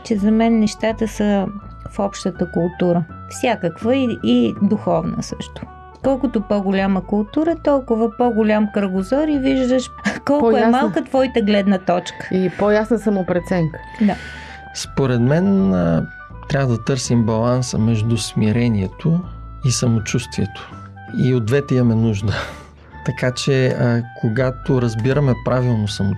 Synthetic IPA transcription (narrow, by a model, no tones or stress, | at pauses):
t͡ʃɛzɐmɛnːɛʃt̪at̪əsə | fɔpʃt̪ət̪əkʊlˠt̪uɾə | fsʲakəkvəiid̪uxɔvnə̰səʃt̪ʊ̥ | kɔlˠkʊt̪opɔɡʊlʲaməkʊlˠt̪uɾət̪ɔlˠkʊvəpɔɡʊlʲamkɾəɡʊzɔɾiviʒd̪əʃkɔlˠʊɛmalˠkət̪vɔit̪əɡlɛd̪nət̪ɔt͡ʃkə̥ipojasnəsəmʊpɾɛt̪sɛŋkə̥ | d̪a | spoɾɛd̪mɛnə | t̪ɾʲavəd̪ɐt̪ɤɾsimbɐlˠansə̰mɛʒd̪ʊsmiɾɛniɛt̪o | isɐmot͡ʃust̪viɛt̪o̥ | iod̪vɛt̪ɛimɐmɛnuʒd̪ə | t̪ɐkat͡ʃɛəkʰoɡat̪oɾɐzbiɾəmɛpɾavilˠnosɐmo